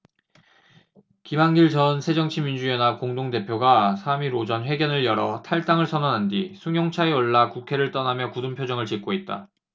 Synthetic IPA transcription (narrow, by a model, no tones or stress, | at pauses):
kimaŋɡiɭt͡ɕʌnsʰe̞d͡ʑʌŋt͡ɕʰimind͡ʑujenak͈oŋdoŋde̞pʰjoɡasʰamiɾod͡ʑʌnɸwe̞ɡjʌnɯɭjʌɾʌtʰaɭt͈aŋɯɭsʰʌnʌnɦandisʰuŋjoŋt͡ɕʰaeoɭːakukʰe̞ɾɯɭt͈ʌnamjʌkudɯmpʰjod͡ʑʌŋɯɭt͡ɕik̚k͈oit̚t͈a̰